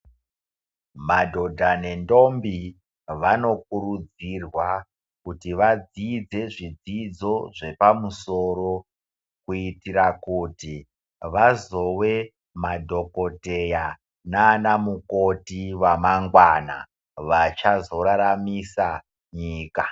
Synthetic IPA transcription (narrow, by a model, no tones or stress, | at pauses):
madʱo̞dʱane̞ndo̞mbi | ʋano̞k̚uɾud͡zirwa | kutiʋad͡zid͡ze̞ʐid͡zid͡zo̞ʐe̞pamuso̞ɾo̞ | kuitiɾakuːti | ʋazo̞we̞ | madʱo̞ko̞teja | naːnamukotiwamaŋɡwana̰ | ʋat͡ʃazo̞ɾaɾamisa | ɲiːka